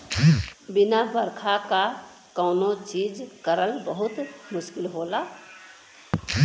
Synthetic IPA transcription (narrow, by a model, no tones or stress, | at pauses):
binabəɾkʰaka | kəʊnot͡ʃid͡ʒkəɾəlbəɦut̪mʊʃkilɦola